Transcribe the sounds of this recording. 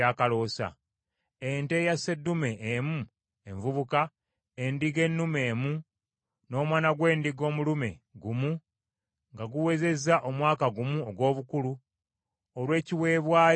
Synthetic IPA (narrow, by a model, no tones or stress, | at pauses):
aːkalo̞ːsa̰ | ente̞jase̞dːume̞ʔemu | eɱvuβuka | e̞ndiɡe̞nːume̞ːmu | no̞ːmwaːnaɡwe̞ːndiɡo̞ːmulume̞̰ɡumu | ŋɡaɡuwe̞ze̞zaʔo̞mwaːkaɡumuoɡwo̞ːβukulu | olwe̞ːciwe̞ːβwaː